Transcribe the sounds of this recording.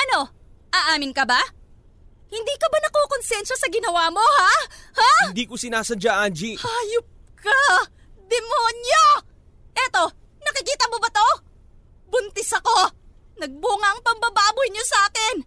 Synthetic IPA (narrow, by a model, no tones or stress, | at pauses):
ʔɐno̞ | ʔaːʔaːmɪnkɐba | hɪnd̪iːkɐbanɐkoːkonsɛnʃɐsɐɡɪnɐwaːmo̞hahad̪iːkosɪnaːsɐd͡ʒaʔand͡ʒihaːjop̚ka | d̪ɛmoːɲjo | ʔɛt̪o̞ | nɐkɪkiːt̪ɐmo̞bɐt̪o̞ | bʊnt̪ɛsɐko̞ | nɐɡ̚buːŋaʔɐŋpɐmbɐbaːbʊjɲosʔaːkɪn